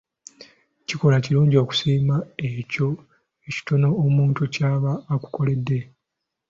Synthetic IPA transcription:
ciko̞laciɾuːɲɟio̞ːku̥siːmaeco̞ | eci̥to̞no̞ːmuːntucaːβaːku̥ko̞le̞dːe̞

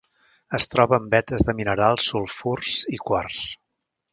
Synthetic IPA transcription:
əst̪ɾɔβəːmbɛt̪əzðəminəɾalˠsːulˠfurz̥ikwars

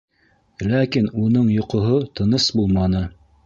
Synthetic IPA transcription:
lækinunɤɴjŏqŏɦot̪ɤ̆nɤsbulˠmɑnɤ

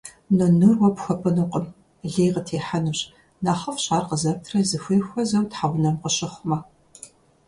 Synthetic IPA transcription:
nɨnɨrwɔpxʷɐpʰɨnuqʼəm | ɮeːjqətʰeːħanuɕ | naːχɐfɕʼaːrqəzɐp̚tʰrɐzɨxʷeːxʷɔzɐwtħaʁʷʊnɐmqəɕɪχʷmɐ

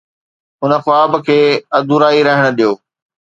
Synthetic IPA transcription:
ʊnə̆xʊaːbkʰeːɐd̪uɾaːiɾɐɦɪɽ̃ʊ̆ɗijoː

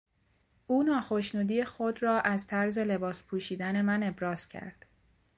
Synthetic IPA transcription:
ʔuːnɒːxo̞ʃnuːd̪ijexod̪rɒːʔæzt̪ʰæɾze̞le̞bɒːspʰuːʃiːd̪æne̞mæne̞bɾɒːz̥cʰæ̰ɾd̪̥

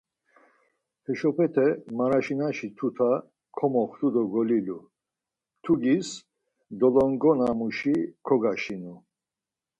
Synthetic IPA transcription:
hɛʃɔpʰɛt̪ʰɛmaɾaʃinaʃit̪ʰut̪ʰa | kʰɔmɔχt̪ud̪ɔɡɔlilu | t̪ʰuɡis | d̪ɔlɔŋɡɔnamuʃikʰɔɡaʃinu

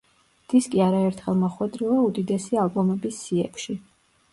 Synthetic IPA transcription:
d̪̥iskʼiaɾaɛɾt̪ʰχɛlˠmɔχwɛd̪ɾilˠaud̪id̪ɛsialˠbɔmɛbisːiɛ̰kʰʃi

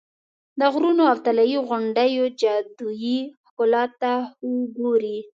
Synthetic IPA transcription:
d̪əɣɾunoawt̪alajiɣʊɳɖəjod͡ʒad̪ujixkʊlɑt̪ːauɡoɾi

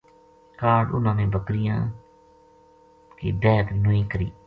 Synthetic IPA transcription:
kaːɖʊnãːnẽːbəkɾɪjãː | kḭːd̪ɛːt̪nʊĩːkəɾḭː

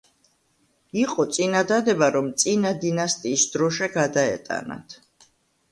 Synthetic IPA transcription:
iqʼɔt̪sʼinad̪ad̪ɛbaɾɔmt̪sʼinad̪inast̪ʼiːsd̪̥ɾɔʃɛɡad̪aɛ̰t̪ʼa̰na̰t̪ʰ

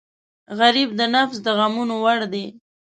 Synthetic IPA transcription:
ɣaɾibd̪ənafsd̪əɣamunowaɽd̪e

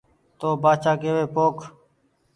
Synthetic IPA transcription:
t̪oːbaːt͡ʃaːkeːʋeːpoːk

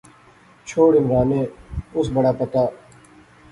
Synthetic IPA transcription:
t͡ʃʰoːɽɪmɾaːneːʊsbəɽaːpət̪aː

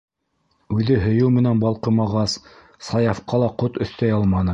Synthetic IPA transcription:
ʉðɘɦɵ̆jɘwmɘ̆nænbɑlˠqɤ̆mɑʁɑs | sɑjɑfqɑlˠɑqot̪ɵ̆θt̪æjɑlˠmɑnɤ

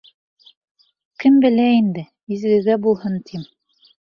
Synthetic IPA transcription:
kɘmbɘ̆læind̪ɘ | izɡɘ̆ɡæbulˠhɤnt̪ʰim

